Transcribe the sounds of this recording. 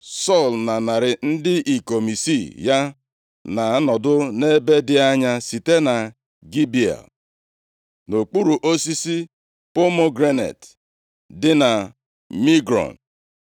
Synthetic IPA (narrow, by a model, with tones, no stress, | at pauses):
sɔ˦˨lna˨na˨ɾɪ˨n̩˦dɪ˦ʔi˨ko˨mi˨si˦˨ja˦ | na˨˦nɔ˨dʊ˦ne˦be˦dɪ˦a˦ɲa˦si˨te˦na˨ | ɡi˦bi˦˨a̰˨l | no˨k͡pu˦ɾu˨ʔo˦si˦si˦ | po˦mo˦ɡɾe˦nḛ˨t | dɪ˦na˨ | mi˦ɡɾɔ̰˨n˨